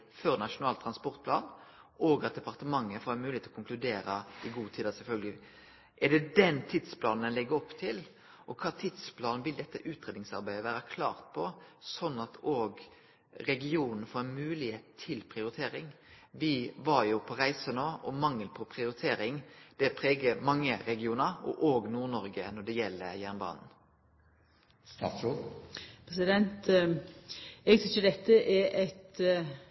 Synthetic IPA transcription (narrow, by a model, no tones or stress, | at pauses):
fœɾnɑʂʊnɑːlt̪ʰɾɑnspɔʁt̪̚pʰlɑːn | ʔoːɡɑt̪̚d̪ɛpɑʁt̪əmɑŋːəfoːɾæmʉːlɪet̪ɔkʰʊŋklʉd̪eːɾɑɪɡuːt̪ʰiːd̪ɑsɛlfœlɡəlɪ | ʔɛɖ̪ɛd̪ɛnt̪ʰid̪spʰlɑːnɛlɪɡːəɾɔpːt̪ʰɪl | ʔɔkʰɑːt̪ʰid̪spʰlɑːnn̩ʋɪld̪ɛt̪ːəʔʉːt̪ɾeːd̪nɪŋsɑ̰ɾbæɪd̪əʋæːɾəkʰlɑ̰ːʁt̪̚pʰɔsɔnːɑt̪oːɡ | ɾɛɡɪuːnən̩foːɾɛnmʉːlɪheːt̪t̪ʰːɪlpʰʁɪʊɾɪt̪ʰeːɾɪŋ | ʋɪʋɑɾjʊpʰɔʁæɪsənoːɔmɑŋːəlpʰɔpʰʁɪʊɾɪt̪ʰeːɾɪŋd̪̥ɛpʰʁeːɡəmɑŋːəɾɛɡɪuːnəɾɔ̰ʔoːɡnuːʁnɔɾɡənɔɖ̪ɛjɛlːəjæʁnbɑ̰ːnn̩ | st̪ɑ̰ːt̪u | pʰɾɛsɪd̪ɛnt̪ | ɛɡt̪ʰɪt͡ʃəd̪ɛt̪ːəʔɛɾɛt̪